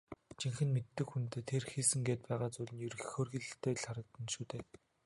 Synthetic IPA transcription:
t͡ɕiŋxɘ̆nmet̪ːɘ̆kxunt̪eːt̪ʰːerxiːsɘ̆ŋɡeːt̪̚pæːʁaːt͡sujɮɘ̆njɵɾxxoːrɣiɮɘ̆t̪ʰeːɮχaɾə̆k̚t̪ə̆nʃuːt̪eː

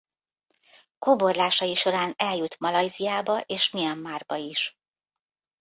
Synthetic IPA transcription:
kobo̞rlaːʃɒjiʃo̞ɾaːnɛljut̪mɒlɒjzijaːbɒʔeːʃmijɛmːaːrbɒiʃ

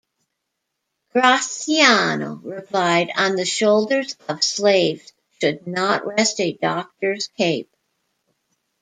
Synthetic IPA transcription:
ɡ̥ɹasiano̰ʊɹɪpʰl̥aɪɾ̃nðɨʃoʊlˠdə˞zʌv̥sleɪvz̥ | ʃɨdⁿnəʔɹɛstɨdɑk̚tə˞z̥kʰeɪp̚

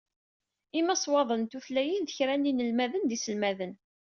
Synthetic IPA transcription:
imːæsˤwɑðˤənt̪uθlæjənðəçɾænːinəlmæðənd̪isəlmæðən

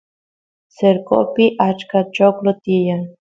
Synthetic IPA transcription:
seɾkʼo̰piʔat͡ʃkat͡ʃoklot̪ija

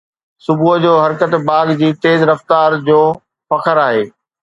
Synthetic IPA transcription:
sʊbʱuɦd͡ʑoːɦɐɾkət̪baːɡd͡ʑiːt̪eːzɾɐft̪aːɾd͡ʑoː | fɐkʰəɾaːɦeː

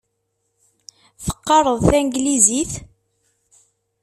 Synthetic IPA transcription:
θə̥qːɑɾˤəðˤθæŋɡliziθ

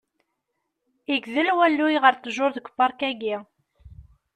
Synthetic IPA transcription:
iɡðəlwælːujʁəɾt̪ːəʒʊɾðəɡʷə̥bɑɾˤkæɡi

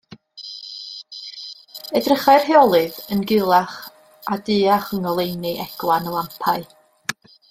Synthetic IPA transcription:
ɛdrəχaɨr̥heɔlˠɨðənɡɪlˠaχ | adɨːaχəŋɔlˠejnɨʔɛɡ̥lˠanəlˠampʰaɨ

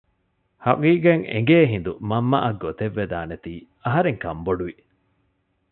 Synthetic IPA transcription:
hɐʔiːɡeŋḛŋɡeːɦind̪umɐmːɐ̰ʔɐɡːot̪eʋːed̪aːnet̪iː | ɐɦɐɾeŋkɐmboɖuʋi

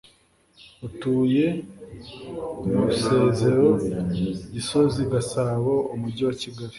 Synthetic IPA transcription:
utuːje̞ | umuse̞ːze̞ɾo̞ | ɟisoziɡasaβoumuɟiwaciɡaɾi

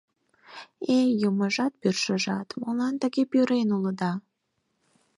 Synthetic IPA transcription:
ejəməʒɑt̪̚pyrʃəʒɑt̪molɑnt̪əɣepyɾenuləd̪ɑ

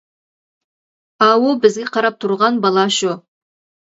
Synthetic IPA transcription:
ɑwobɪzɡʲɪqʰɑɾɑp̚t̪ʰuɾʁɑnbɑlˠɑʃʊ

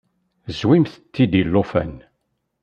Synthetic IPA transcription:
zwimθət̪ːid̪ilːofæ̰n

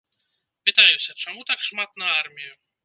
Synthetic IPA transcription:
pɨt̪ajusʲɐt͡ʂamut̪akʂmat̪̚nɐarmʲiju

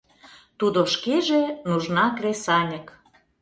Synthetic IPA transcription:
t̪ud̪oʃkeʒenuʒnɑkresɑnʲə̆k

